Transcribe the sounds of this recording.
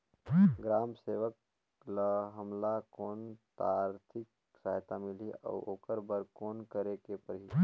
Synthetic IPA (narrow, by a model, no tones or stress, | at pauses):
ɡɾaːmseːʋək | ləɦəmlakoːnt̪aːɾt̪ʰɪk̚ | saːɦt̪amɪliɔ̰ːoːkəɾbəɾkoːnkəɾekepəɾɦi